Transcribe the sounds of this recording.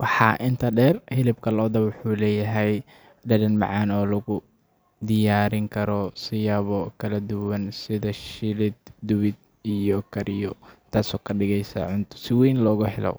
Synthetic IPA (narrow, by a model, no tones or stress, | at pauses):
wɑħɑ̰ːʔɪnt̪ʰɐɖɛːrhɪlɪbkʰɐlɔːd̪ɐbwʊħuːlɛːjɐɦɛj | ɖɐɾɐnmɑ̰ʕɑːnɔːlɐɣʊ | d̪ɪjaːɾɪŋkʰɐɾɔsɪjɐβɔkʰɐlɐd̪ʊwɐnsɪðɐʃɪlɪd̪̚d̪ʊwɪd̪̚ | ijɔkʰɐɾɪjɔt̪ʰaːsɔːkʰɐɖɪɣɛjsa̰ːʕʊnt̪ʰʊ̥sɪwɛjnlɔːɣʊhɛlɔ̰